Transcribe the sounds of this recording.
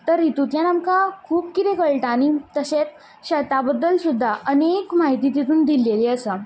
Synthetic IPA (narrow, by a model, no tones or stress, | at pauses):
t̪əɾit̪ut̪ljanamkakʰuːp̚kit̪ekəɭʈaːñit̪əɕet͡s̪̚ | ɕɛt̪abəd̪ːəlsud̪ʱːaʔənekmaɦit̪it̪it̪uːnd̪ilːeleəsə